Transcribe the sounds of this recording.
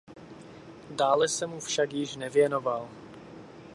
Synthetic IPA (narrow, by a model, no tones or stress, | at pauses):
daːlɛsɛmufʃakjɪʃnɛvjɛno̞val